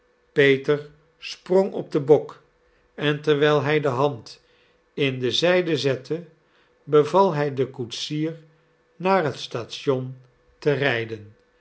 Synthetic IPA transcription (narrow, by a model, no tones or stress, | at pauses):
pejtəɹ | sproŋʔɔ̰b̚dəbɔk | ɛntəɹʋɛjlˠɦɛjdəɦɑnt | ɪndəzɛjdəzɛtʰə | bəvɑlˠɦɛjdəkutsiːɹ | naːɹɦətstaːtsɔn | tərɛjdən